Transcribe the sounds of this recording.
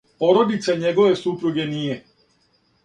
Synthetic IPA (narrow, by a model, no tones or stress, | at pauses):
po̞ɾod̪it̪saɲeɡo̞ʋe̞supɾuɡe̞niːje